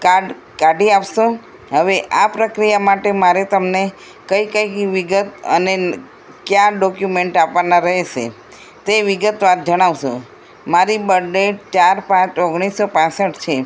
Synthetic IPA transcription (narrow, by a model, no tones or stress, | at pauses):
kaɖ | kaɖiapʃõ | ɦəʋeʔapɾəkɾijamaʈemaɾet̪əmne | kəikəjkʋiɡət̪ə̰ne | kjaɖɔkjumeɳʈapʋanaɾəɦet͡ʃʰḛ | t̪eʋiɡət̪ʋat̪̚d͡ʒəɽ̃aʋʃõ | maɾibəɖeʈ̚t͡ʃaɾpãt͡ʃoɡɽ̃isːopãsəʈt͡ʃʰe